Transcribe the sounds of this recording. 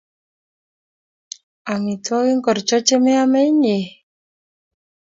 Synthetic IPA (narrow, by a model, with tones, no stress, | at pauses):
a˨mi˨tɔ˦ɣi˦ŋkɔ˨ɾt͡ʃɔ˦t͡ʃe˦me˦a˦mɛ˦ɲe˨